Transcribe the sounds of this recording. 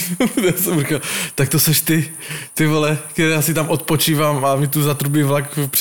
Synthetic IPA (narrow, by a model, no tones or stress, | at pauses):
t̪ɛsɛmrikat̪ak̚t̪osɛʃt̪ɪt̪ɪvolɛkt̪ɛɾɛjaːsɪt̪amʔot̪̚pot͡ʃiːvaːmamɪt̪uzat̪ɾubiːvlakpr